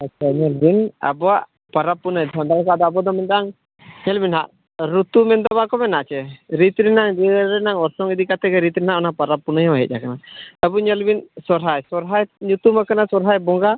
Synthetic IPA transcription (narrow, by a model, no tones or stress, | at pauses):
atːt͡ʃʰaɲɛlbina̰bɔwaʔ | paɾapːunajd̪ʰʱɔnd̪alkad̪ɔabɔd̪ɔmɛnd̪aʔaŋ | ɲɛlbinɦaʔ | ɾut̪umɛnd̪ɔbakɔmɛnaʔt͡ʃɛɾit̪ɾinaŋɾiɾɾɛnaŋɔɾsɔŋid̪ikat̪ɛɡɛɾit̪ɾinɦaʔɔnapaɾapːunəjmaɦɛ̰c̚jakanat̪abuɲɛlbinsɔɾɦajsɔɾɦajɲut̪umakanasɔɾɦajbɔŋɡa